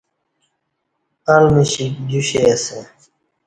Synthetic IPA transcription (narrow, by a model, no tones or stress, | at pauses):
alməɕikd͡ʑuɕese